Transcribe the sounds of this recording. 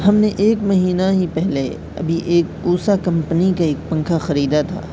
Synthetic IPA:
hɐmneʔeːkmɐɦiːnaɦipɛɦle | ɐ̰bʱiʔeːkuːsakɐ̃mpnikaeːk̚pɐ̃ŋkʰaxɐɾiːd̪at̪ʰa̰ː

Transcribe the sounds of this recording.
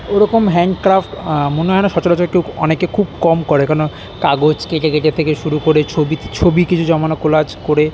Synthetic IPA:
oɾɔkomɦɛɳɖkɾafʈmoneɦɔenaʃɔt͡ɕoɾat͡ɕolkewɔnekekʰub̚kɔmkoɾekaɾono | kaɡod͡ʑkeʈekeʈet̪ʰekeʃuɾukoɾet͡ɕʰobit͡ɕʰobikit͡ɕʰud͡ʑɔmanokolad͡ʑkoɾe

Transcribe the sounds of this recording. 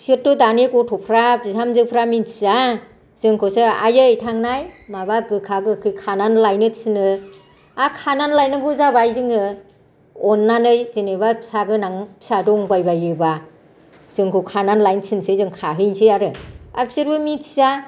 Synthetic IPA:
siɾtudanekɔtʰɔpʰɾabizamzɯpʰɾamitʰiza | z̥ɯŋkʰɔsɯa̰jɯjtʰaŋnajmaβaɡɯkʰaɡɯkʰɯjkʰananlajnɯsɯnɯ | akʰananlajnɯɡuzabajzɯŋɯ | ɔnːanɯjzinebapʰisaɡɯnaŋpʰi̥sadɔŋbajbajɯba | z̥ɯŋkʰɯkʰananlajnsɯnsɯjzɯŋkʰaɦɯnsʰɯjaɾɯa̰pʰisiɾbɯmitiza

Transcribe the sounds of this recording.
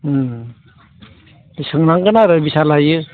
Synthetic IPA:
sɯŋnaŋɡɯnaɾɯbisalajɯ

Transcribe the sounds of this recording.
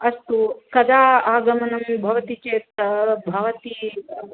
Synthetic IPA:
ɐst̪ukɐd̪ʱaːaːɡɐmɐnɐmbʱɐʋɐt̪it͡ʃeːt̪ɐbʱɐʋɐt̪i

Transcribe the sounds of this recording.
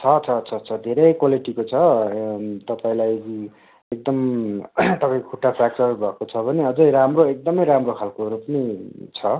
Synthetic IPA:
t͡sʰʌt͡sʰʌt͡sʰʌt͡sʰʌd̪ʱeɾʌjkwaliʈikot͡sʰʌ | t̪ʌpaĩlajɡi | ek̚d̪ʌm | t̪ʌpaĩkkʰuʈːasʰak̚sʌbʱʌkot͡sʰʌbʱʌneʌd͡zʌjɾamroek̚d̪ʌmʌjɾamrokʰalkoɾupʌnit͡sʰʌ

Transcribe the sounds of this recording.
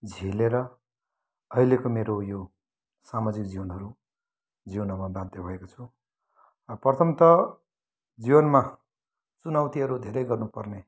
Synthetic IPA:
d͡zʱileɾʌ | ʌɦilekomeɾojo | samad͡zik̚d͡ziwʌnɦʌɾu | d͡ziwnʌmabãd̪ʱebʱʌekot͡sʰu | ʌprʌt̪ʰʌmt̪ʌ | d͡ziwʌnma | t͡sunʌwt̪iɦʌɾud̪ʱeɾʌjɡʌrnupʌrne

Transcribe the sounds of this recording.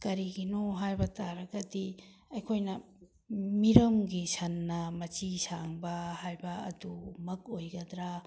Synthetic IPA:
kɐɾiɡinoɦajbɐtaɾɐɡɐdi | ɐjkʰojnɐ | miɾɐmɡisɐnːɐmɐt͡ʃisaŋbɐhajbɐ̰ːdumɐk̚ojɡɐd̪ɾa

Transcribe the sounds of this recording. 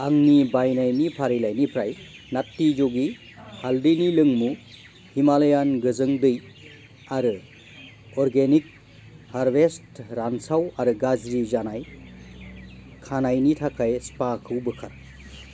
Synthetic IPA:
aŋnibajnajnipʰaɾilajnipʰɾajnatːid͡ʒoɡi | haldinilɯŋmu | himaljanɡɯzɯŋdɯj | aɾɯ | ɔɾɡenik̚ | haɾbestɾansawaɾɯɡazɾizanaj | kʰanajnitʰakʰajspakʰɯwbɯkʰaɾ

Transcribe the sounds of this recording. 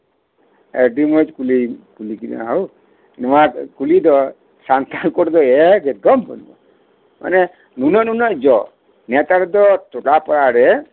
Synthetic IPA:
ḛɖimɔd͡ʒkulikulikiɾ̰aɦɔw | nɔmakulid̪ɔ | sant̪ankɔɾd̪ɔɛɡɛt̪̚ɡɔmb̰nbɔ̰ | ma̰ne | nunɔnunɔd͡ʒɔ | nɛt̪aɾɔd̪ɔt̪uʈapɔɾaɾɛ

